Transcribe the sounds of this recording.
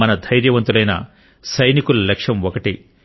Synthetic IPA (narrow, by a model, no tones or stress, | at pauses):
ɐnɐd̪ʱɐjɾjɐʋɐnt̪ulɐjnɐ̰ | sɐjnikulɐlekʂɐmɔkɐʈi